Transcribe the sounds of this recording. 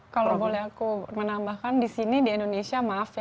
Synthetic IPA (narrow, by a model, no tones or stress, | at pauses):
kalobolɛɦakumənambahkandisinidiindonesiamaːfja